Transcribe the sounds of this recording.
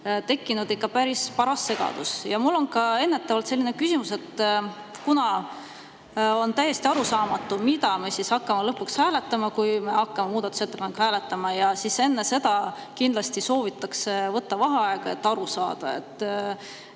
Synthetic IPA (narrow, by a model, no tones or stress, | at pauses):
t̪e̞kːinud̪ikːɑpæɾispɑɾɑsːe̞ɡ̥ɑ̰d̪̥usjɑmulːo̞nkɑe̞nːet̪ːˑɑvɑlt̪se̞lʲːinekysimuse̞t̪ː | kunɑ | o̞nt̪æje̞st̪iɑɾusɑːmɑt̪ːˑumid̪ɑme̞sisɑkːɑmelɤpːukshæːle̞t̪ːˑɑmɑkujme̞ɑkːɑme̞muːd̪̥ɑt̪u̥set̪ːˑepɑnekhæːle̞t̪ːˑɑmɑjɑsise̞nːe̞se̞d̪̥ɑ | kind̪̥lɑst̪iso̞ːvit̪ːˑɑksevɤt̪ːɑvɑɦɑɑeɡ̥ɑe̞̰t̪ːˑɑɾusɑ̰ːd̪̥ɑ̰e̞̰t̪ˑː